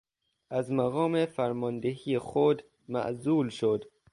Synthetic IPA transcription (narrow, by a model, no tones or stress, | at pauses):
ʔæzmæɣɒːmefæɾmɒːnd̪eɦiːjexod̪ | mæ̰ʔzuːlʃod̪